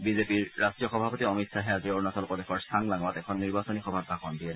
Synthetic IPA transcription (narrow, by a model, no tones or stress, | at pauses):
bizepiɹɹastɹijɔxɔbʱapotiɔmitsaɦɛazioɹnasɔlpɹɔdɛxʰɔɹstʰaŋlaŋɔatɛkʰɔnːiɹbasɔnixɔbʱabʱːaxɔndiɛ